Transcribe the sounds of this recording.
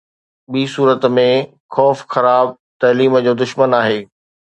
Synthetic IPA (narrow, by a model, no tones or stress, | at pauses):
ɓiːsuːɾət̪mẽ | xɔːfxɐɾaːb̚ | t̪ɐːliːməd͡ʑoːd̪ʊʃmənaːɦeː